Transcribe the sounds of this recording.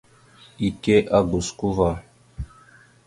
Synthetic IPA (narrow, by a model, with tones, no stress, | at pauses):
i˨ke˦ʔa˦ɡu˨sku˦va˨